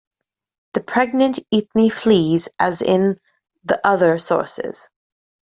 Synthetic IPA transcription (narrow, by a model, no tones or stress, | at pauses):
ðɨpʰɹ̥ɛɡ̚nɨ̃ntiθniflizʔɨzɪ̃n | ðiʔʌðə˞sɔ̰ɹsɪ̰z̥